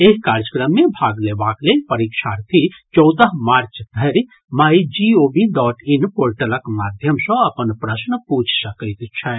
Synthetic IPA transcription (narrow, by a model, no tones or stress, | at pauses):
eɦkaːɾd͡ʒəkɾəmːẽbʱaːɡleːbaːklepɐɾikʃaːɾt̪ʰit͡ʃɔwd̪əɦmaːɾt͡ʃd̪ʱɐɾi | majd͡ʒioːbiɖɔːʈinpoːɾʈələkmaːd̪ʱjəmsɔ̃ɐpənpɾɐsnəput͡ʃʰsɐkət̪t͡ʃʰɛ